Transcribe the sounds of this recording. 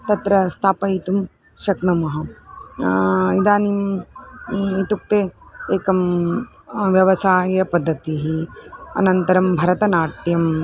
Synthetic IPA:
t̪ɐt̪ɾɐst̪ʰaːpɐjit̪um | ʃɐknɐmɐɦɐ | id̪aːnim | it̪uk̚t̪eːeːkɐm | ʋjɐʋɐsaːjɐpɐd̪ʱːɐt̪iɦiɐ̰nɐnt̪ɐɾɐmbʱɐɾɐt̪ɐnaːʈ̪jɐm

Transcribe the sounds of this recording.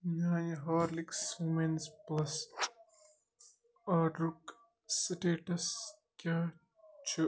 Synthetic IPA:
naːjɦaːɾliksumensplɐs | ɐɖɾuk | siʈeːʈɐs | kʲa | t͡ʃʰu

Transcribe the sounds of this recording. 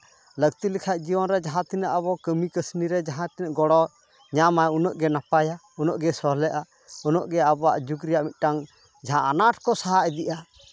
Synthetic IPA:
lək̚t̪ilikʰaʔ̚d͡ʒiwɔnɾɛd͡ʒaɦãt̪inəʔaβɔkəmikəsniɾɛd͡ʒaɦãt̪inəʔɡɔɽɔ | ɲamajunɔʔɡɛnapaja | unɔʔɡɛsɔɦlɛʔa | ɔnɔʔɡɛabaʔd͡ʒuɡɾijaʔmit̪̚ˀʈaŋ | d͡ʒaɦãʔanaʈʰkɔsaɦaʔɛd̪iʔa

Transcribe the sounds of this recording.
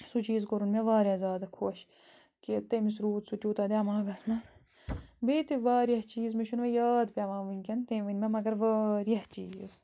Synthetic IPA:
sut͡ʃiːzkoɾunmeʋaːɾjazʲaːd̪ɐkʰoʃ | kit̪eːmis̬ɾuːt̪sut̪ʲuːt̪aːd̪eɐmãːɡɐsmɐz | beːt̪iʋaːɾjɐht͡ʃiːzmiʃunʋejaːd̪pʲaʋãːʋiŋʲkʲɐnt̪ẽːʋinʲmemɐɡɐɾʋaːɾijɐht͡ʃiːz

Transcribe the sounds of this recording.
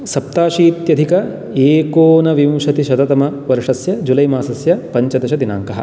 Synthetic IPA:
sɐp̚t̪aːʃiːt̪jɐd̪ʱikɐ | eːkoːnɐʋimʃɐt̪iʃɐd̪ɐt̪ɐmɐʋɐɾʂɐsjɐd͡ʒulɐjmaːsɐsjɐpɐɲt͡ʃɐd̪ɐʃɐd̪ina̰ːŋkɐɦɐ̰

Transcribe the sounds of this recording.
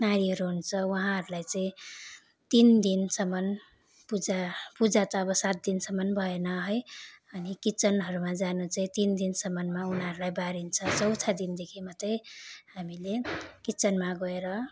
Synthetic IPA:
naɾiɦʌɾuɦunt͡sʰʌwʌɦãɦʌɾulajt͡sãĩ | t̪ind̪insʌmʌn | pud͡zapud͡zat̪ʌːbʌsat̪̚d̪insʌmʌnbʱʌenʌɦʌjʌnikit͡sʌnɦʌɾumad͡zanut͡saĩt̪ind̪insʌmːʌnmaunaɦʌɾulajbaɾint͡sʰʌt͡sʌwt̪ʰad̪ind̪ekʰimat̪ʌj̃hamilekit͡sʌnmaɡʌeɾʌ

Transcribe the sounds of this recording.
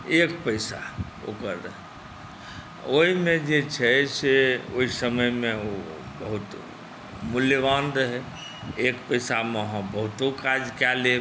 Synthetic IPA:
ekpəjsa̰ | o̰kəɾəɦ | oɦimẽd͡ʒet͡ʃʰɛseoɦisəməjmeo | bəɦut̪ | muljəbanɾəɦɛ | ekpəjsameəɦãbəɦut̪okad͡ʒkale

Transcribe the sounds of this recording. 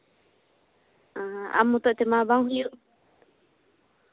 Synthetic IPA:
aɦa̰mːut̪ɔʔt̪ɛmabaŋɦujuʔ

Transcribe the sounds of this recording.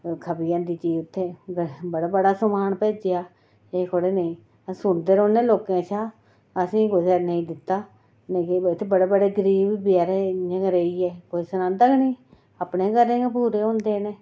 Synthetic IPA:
kʰəbijãːd̪iːt͡ʃiːʊt̪ʰːeːɡbəɽaːbəɽaːsəmaːnpɛːd͡ʒejaː | eːkʰoɽeːneĩː | sʊɳd̪eːɾoːnẽːloːkẽːt͡ʃʰaː | əsĩːɡʊsɛːnəĩːd̪ɪt̪ːaː | nẽːkeɪt̪ʰːeːbəɽeːbəɽeːɡəɾiːbbjaːɾeẽːɡəɾeiːɛːkoːisənãːt̪əɡniː | aːpnẽːkəɾẽːɡepuːɾeːɦõːnd̪eːneː

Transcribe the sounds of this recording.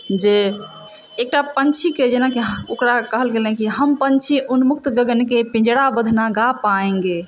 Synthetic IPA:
d͡ʒeː | k̚ʈapənt͡ʃʰiked͡ʒenakeɦokɾakəɦəlɡelɦɛ̃kiɦəmpənt͡ʃʰiʔunmuk̚t̪ɡəɡənkepĩd͡ʒɽabəd̪ʱnaɡapaẽŋɡe

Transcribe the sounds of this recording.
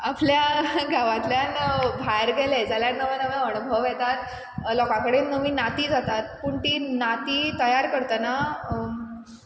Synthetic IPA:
apljaɡʱaʋãt̪ljanbʱaɾɡɛled͡zaljanːəʋənəʋẽəɳ̃ubʱəʋjɛt̪at̪ | lɔkãkəɽenəʋinat̪iːd͡zat̪at̪̚puːɳt̪iːnat̪iːt̪əjaɾkəɾt̪əna

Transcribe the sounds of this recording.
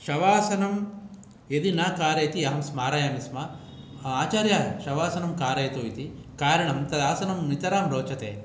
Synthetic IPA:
ʃɐʋaːsɐnɐm | ed̪inaːkaːɾɐjt̪iɐɦɐmsmaːɾɐjaːmisma | aːt͡ʃaːɾjaʃɐʋaːsɐnɐmkaːɾɐjt̪oːit̪i | kaːɾɐɳɐmt̪ɐd̪aːsɐnɐmnit̪ɐɾaːmɾoːt͡ʃɐt̪ḛː

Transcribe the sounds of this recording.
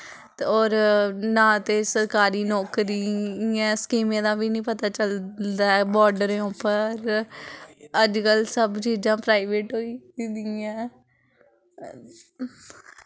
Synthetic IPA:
ɔːɾnãːt̪eːsəɾkaːɾiːnɔːkɾiːɛ̃ːskiːmẽːd̪aːʋiːnĩːpət̪aːt͡ʃəld̪aːɛːbɔːɾɖəɾẽːʊ̃pəɾ | əd͡ʒkəlsəbt͡ʃiːzãːpɾaːiʋeːʈɦoːiːd̪ɪɛ̃ː

